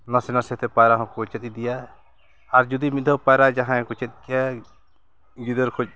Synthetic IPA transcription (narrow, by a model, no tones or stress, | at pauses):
nasɛnasɛt̪ɛpajɾaɦɔ̃kɔt͡ʃɛt̪̚id̪ija | aɾd͡ʒud̪imid̪ʱɔpajɾad͡ʒaɦãkɔt͡ʃɛt̪̚kɛa | ɡid̪əɾkʰɔd͡ʒ̚